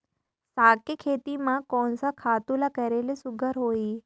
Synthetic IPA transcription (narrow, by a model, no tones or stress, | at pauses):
saːkekʰeːt̪imãkɔ̃nsakʰaːt̪ulakəɾelisʊɡʱəɾɦoːiː